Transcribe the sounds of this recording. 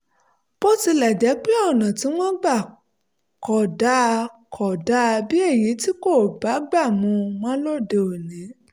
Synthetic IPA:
b̥o˦ti˧lɛ˨d͡ʒɛ˨˦k͡pe˦ɔ˦˨nã˨ti˨˦w̃ɔ̃˦ɡ͡ba˦˨ | kɔ˨da˨˦˧kʰɔ˨da˨˦˧bi˦e˦˨ji˨˦ti˦ko˦˨ba˨˦ɡ͡ba˦˨mũ˧mɔ̃˦lo˦˨de˧o˨nĩ˨˦

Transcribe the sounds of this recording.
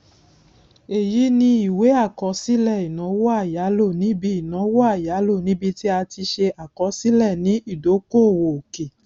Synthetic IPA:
e˨ji˨˦nĩ˧i˨we˨˦a˦˨kɔ˨˦si˦lɛ˦˨i˨nã˨˦wɔ˦a˦˨ja˨˦lo˦˨nĩ˨˦bi˧i˨nã˨˦wɔ˦a˦˨ja˨˦lo˦˨nĩ˨˦bi˧ti˦a˧ti˧ʃe˧ʔa˨kɔ˧˦si˦lɛ˦˨nĩ˨˦i˦˨do˨˦ko˦˨wo˨o˨ke˨

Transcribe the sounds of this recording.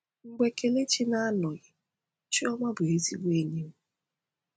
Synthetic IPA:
ŋ͡m̩˨ɡ͡be˨ke˨le˦t͡ʃi˦na˦a˦nɔ˨ɣɪ˨ | t͡ʃi˦ɔ˦ma˦bʊ˨e˦ti˦ɡ͡bʷe˦˨ni˦m̩˦

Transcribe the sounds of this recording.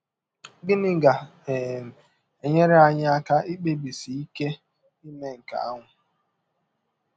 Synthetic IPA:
ɡɪ˦nɪ˦ɡa˨ | m˨ | e˨ɲe˦ɾe˦a˦˨ɲɪ˦a˦ka˦i˦k͡pe˦bi˨si˨i˦ke˦ | i˦ne˦ŋ̩˨ka̰˨a˦ŋʷʊ˨

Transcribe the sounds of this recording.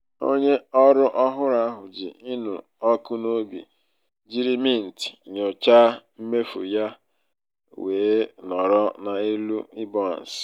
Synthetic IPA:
o̰˦ɲe˦ɔ˦ɾʊ˦ʔɔ˦ɦʊ˦ɾa˦ɦʊ˨d͡ʒɪ̰˨ɪ˦nṵ˨ | ɔ˦kʊ˦no˦bḭ˨ | d͡ʒi˦ɾi˦mi˦˨n̩˨ti̥˨ɲo˨t͡ʃa˦m̩˦me˦fṵ˨ja˦ | weː˨˦nɔ˨ɾɔ˦na˨i˦lu˦i˦bɔ˦˨n̩˨s

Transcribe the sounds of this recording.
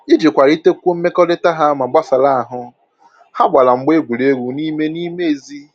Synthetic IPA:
i˦d͡ʒi˨kʷa˨ɾi˦te˦kʷu˦m̩˦me˦kɔ˦de˦ta˦ɦa˦ma˨ɡ͡ba˦sa˨la˦a˨ɦʊ˦ | ha˦ɡ͡ba˨la˨ŋ͡m̩˦ɡ͡be˦ɡʷu˨ɾe˦ɾu˨ni˦me˦ni˦me˦e˨zi˦

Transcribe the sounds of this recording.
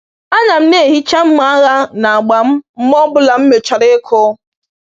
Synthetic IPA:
a˦ɲa˨m̩˦ne˦˨ɦi˦t͡ʃa˦m̩˦ma˦a˦ɣa˦na˨a˨ɡ͡ba˨m̩˦m̩˦mɔ˦bʊ˦la˨m̩˦me˨t͡ʃa˨ɾe˦kʰʊ˦

